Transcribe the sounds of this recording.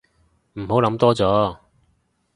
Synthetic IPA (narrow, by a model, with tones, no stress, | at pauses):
m̩˨˩ho˨˥wlɐ˨˥mt̪ɔː˥t͡sɔː˨˥